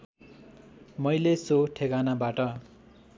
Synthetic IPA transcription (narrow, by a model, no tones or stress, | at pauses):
mʌjlesoʈʰekanabaʈʌ